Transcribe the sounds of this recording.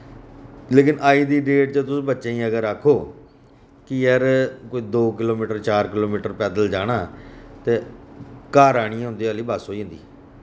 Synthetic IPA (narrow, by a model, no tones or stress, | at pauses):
leːkɪnaːiːd̪iːɖeːʈ̚t͡ʃət̪ʊsĩːbətːʃẽːĩːəɡəɾaːkʰoː | kɪjəɾkoːiːd̪oːkɪloːmiːʈəɾt͡ʃaːɾkɪloːmiːʈəɾpɛːd̪əld͡ʒaːɽaːt̪eːkaːɾaːɽ̃iãːɦʊ̃nd̪eːaːliːbəsɦoːĩːnd̪ḭː